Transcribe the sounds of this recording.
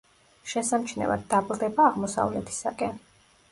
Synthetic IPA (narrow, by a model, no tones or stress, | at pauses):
ʃɛsamt͡ʃʰnɛ̰va̰d̪̚ːablˠd̪ɛbaːʁmɔsa̰vlɛt̪ʰi̥sakʼɛn